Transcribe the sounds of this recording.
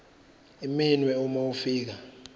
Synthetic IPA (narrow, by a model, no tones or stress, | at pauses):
iminwɛumowufiːk̬a